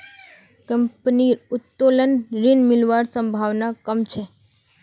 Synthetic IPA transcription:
kəmpniɾʊt̪ːolənɾinmɪlʋaɾsə̃mbʱaʋnakəmt͡ʃʰe

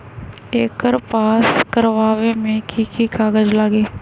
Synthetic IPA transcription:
eːkəɾpaːskəɾʋaːwemẽkʰikikaːɡəd͡ʒlaːɡiː

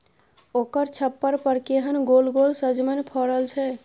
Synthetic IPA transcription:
oːkəɾt͡ʃʰəpːəɾpəɾkeɦənɡolɡolsəd͡ʒmənpʰɔɾəlt͡ʃʰɛ

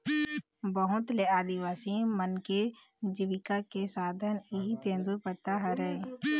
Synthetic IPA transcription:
bəɦʊt̪leaːd̪iwaːsimənke | d͡ʒiʋɪkakesaːd̪ʱəniɦit̪ẽːnd̪uɾpəɾt̪aɦəɾɛ

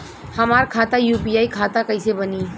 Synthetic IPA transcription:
həmaɾkʰat̪ajupijaikʰat̪akəɪsebəni

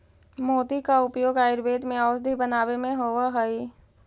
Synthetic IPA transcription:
moːd̪ikaʊpjoːɡaːɪɾʋeːd̪mẽɔːsd̪ʱibənaːʋemẽɦoːʋaɦəiː

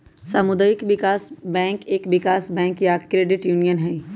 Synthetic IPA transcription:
saːmʊd̪aːjɪkʋɪkaːsbɛ̃ːŋkeːkʋɪkaːsbɛ̃ːŋkjakɾeːɖɪʈjuːnijənɦɛ

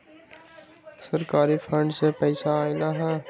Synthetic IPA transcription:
səɾkaːɾifʰɾə̃ɳɖsepɛɪsaːɪnaːɦɛ̃ː

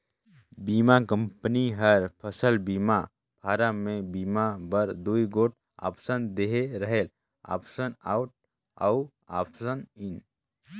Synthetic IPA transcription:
bimakə̃mpəniɦəɾpʰəsəlbima | pʰaːɾamẽbiːmabəɾd̪uiɡoːʈ̚ | a̰psənd̪eɦeɾəɦel | a̰ːpsəna̰ːʊʈ̚ | au | a̰pʰsənin

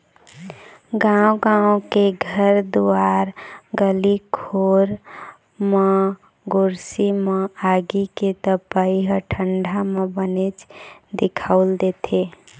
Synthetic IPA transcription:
ɡãõɡaõkeɡʱəɾd̪uaɾɡəlikʰoɾ | mẽ | ɡoɾsimẽaɡiket̪əpəiɦəʈʰəɳɖʱamẽbənet͡ʃd̪ɪkʰaʊld̪et̪ʰe

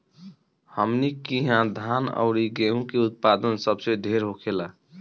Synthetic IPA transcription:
həmnikiɦãd̪ʱanə̰ʊɾiɡeɦũkeut̪̚pad̪ənsəbseɖ̪ʱeɾɦokʰela

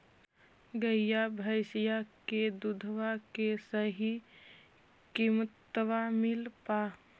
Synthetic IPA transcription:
ɡəjabʱəɪsijaked̪ud̪ʱʋakesəɦi | kimət̪ːwamilpa

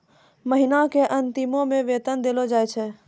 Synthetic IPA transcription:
məɦɪnakeʔə̃nt̪ɪmõmẽʋeːt̪ənd̪elod͡ʒaːet͡ʃʰɛː

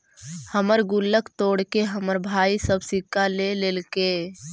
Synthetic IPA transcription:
həməɾɡʊlːəkt̪oːɽkeɦəməɾbʱaːisəbsɪkːaleleːlke

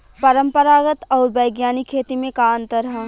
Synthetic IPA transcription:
pɐɾə̃mpəɾaːɡət̪ɔːɾbɐjɡjaːnikʰːeːt̪imẽkaːnt̪əɾə

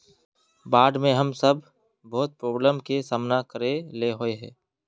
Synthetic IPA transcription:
baːɖmẽɦɐmsəb | bɔːt̪̚pɾoːbləmkesaːmnakəɾeleɦoeɦɛ̰̃ː

